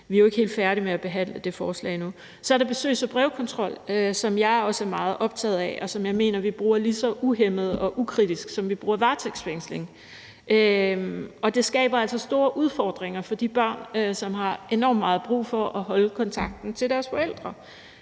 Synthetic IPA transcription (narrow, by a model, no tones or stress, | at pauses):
ʋiæjoe̝ɡ̥he̝̰ld̥fæɐɾimeæb̥e̝ɦæn̰ləd̥e̝fɒːslɛ̰ɪnu | sɒɐɾɑ̈b̥e̝sø̰ːɪsɒb̥ʁɛʊkʰɒ̽nt͡sʰʁɒ̽l̰øsɒ̽mjɑ̈ɪɒ̽səæɐmɑ̈ːð̞̩ˠʔɒ̽b̥̚t͡sʰɛ̰ːð̞̩ˠɛʔɒ̽sɒ̽mjɑ̈ɪme̝̰ːnɐʋib̥ʁuːɐlisɒ̽ʔuɦemð̞̩ˠɒ̽ʔukʰʁid̥isɡ̥sɒ̽mʋib̥ʁuːɐʋɑ̈ːt͡sʰeɡ̥sfeŋ̰sle̝ŋ | ʔø | ɒ̽d̥e̝sɡ̥ɛ̰ːb̥ɐæl̰sɒ̽sd̥o̝ːɐʔuð̞ˠfɒ̰ːd̥ʁeŋɐfɒ̽d̥ib̥ɶɐ̰nøsɒ̽mɦɑ̈ʔe̝nɒ̰mmɑ̈ːð̞̩ˠb̥ʁṵːfɒ̽ʔɒɦɒ̽lkʰɒ̽nt͡sʰɑ̈ɡ̥̚d̥n̩t͡sʰe̝ldæɐsfɒ̽el̰d̥ʁɐ